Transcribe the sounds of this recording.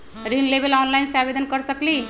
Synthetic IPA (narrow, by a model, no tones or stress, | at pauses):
ɾinlebelɔnlajnseabed̪ʱənkəɾsəkli